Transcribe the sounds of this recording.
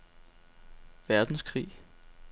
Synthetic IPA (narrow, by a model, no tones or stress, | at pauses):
ʋæɐd̥n̩skʰʁḭː